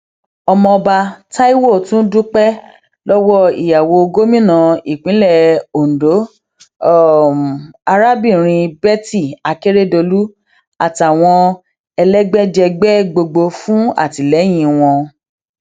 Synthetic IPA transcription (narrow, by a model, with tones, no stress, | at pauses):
ɔ˧mɔ̃˧ɔ˧ba˧ta˦i˦wo˦˨tũ˦du˦k͡pɛ˦ | lɔ˦wɔ˦ḭ˨ja˨wo˧ɡo˦mĩ˦nã˨˧i˦˨k͡pĩ˨˦lɛ˦˨o˨n̩˨do˨˦˨ | a˧ɾa˦bi˦˨ɾ̃ĩ˧bɛ˦ti˦˨a˨ke˦ɾe˦˨do˧lu˦ | a˨ti˨a˨w̃ɔ̃˧ | ɛ˧lɛ˦ɡ͡bɛ˦d͡ʒɛ˧ɡ͡bɛ˦ɡ͡bo˧ɡ͡bo˧fũ˦a̰˦˨ti˨lɛ˨˦j̃ĩ˧w̃ɔ̃˧